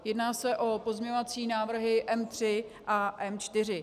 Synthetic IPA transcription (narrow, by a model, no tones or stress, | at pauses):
jɛdnaːsɛʔo̞po̞zmɲɛɲovat͡siːnaːvr̩ɦɪʔɛmt̪r̝̥ɪʔaʔɛmt͡ʃt̪ɪr̝ɪ